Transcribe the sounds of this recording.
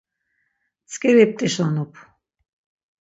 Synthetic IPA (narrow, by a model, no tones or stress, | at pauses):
t͡sʰʼkʼɛɾɛp̚t̪ʼɛʃlanupʰ